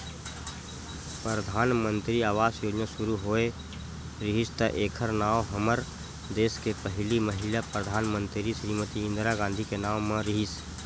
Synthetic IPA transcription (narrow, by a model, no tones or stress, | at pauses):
pɾɾəd̪ʱaːnmə̃nt̪ɾiaːʋaːsjoːd͡ʒnaʃʊɾuɦoːe | ɾɪɦɪst̪aʔeːkʰəɾnaːoɦɐməɾ | d̪eːskepəɦliməɦɪlapɾəd̪ʱaːnmə̃nt̪ɾiʃɾiːmət̪iɪ̃nd̪ɾaɡãːnd̪ʱikenaːmãɾɪɦɪs